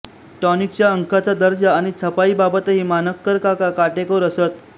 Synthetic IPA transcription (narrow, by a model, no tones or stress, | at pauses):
ʈɔnik̚t͡ɕjaəŋkʰat͡sad̪əɾd͡zaːɽ̃it͡sʰəpaiːbabət̪əɦiːmanəkːəɾkakakaʈekəɾəsət̪